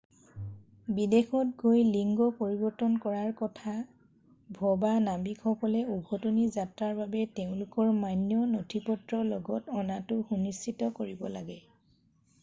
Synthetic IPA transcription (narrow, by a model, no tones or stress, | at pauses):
bidexɔt̚ɡojliŋɡɔpoɹibɔɹtɔnkɔɹaɹkɔtʰa | bʱɔbanabikxɔkɔlɛubʱɔtonizatɹaɹbabɛteʊ̃lʊkɔɹmanjɔnotʰipɔtɹɔlɔɡɔtɔnatʊxunistːʰitɔkoɹibɔlaɡɛ